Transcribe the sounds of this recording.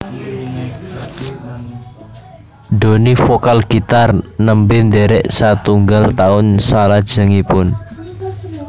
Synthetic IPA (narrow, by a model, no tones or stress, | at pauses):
ɖ̪o̤nifokalɡ̥it̪arnəmbɪnd̪eɾɛʔsat̪uŋɡalt̪aʊnsalad̥ʒ̥ə̤ŋipʊn